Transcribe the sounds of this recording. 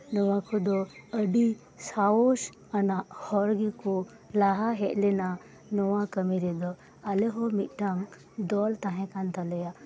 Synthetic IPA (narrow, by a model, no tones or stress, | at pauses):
nɔwakʰud̪ɔəɖi | saoʃ | anahɔɾɡiko | laɦaɦeʔlena | nɔwãkəmiɾed̪ɔ | aleɦɔmiʔʈaŋ | d̪ɔlt̪aɦɛ̃kant̪ɐləja